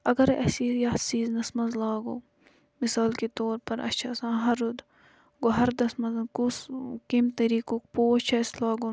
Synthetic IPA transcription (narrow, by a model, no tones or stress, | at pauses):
ɐɡɐɾɐ̰sijaːsiːznɐsmɐnzlaːɡoː | mɪsaːlkit̪oːɾpɐɾɐ̰t͡ʃʰɐːsãːɦɐɾːud̪ | ɡoɦɐɾd̪ɐsmɐzkuskimt̪ɐɾiːkok̚poːt͡ʃʰɐslaːɡo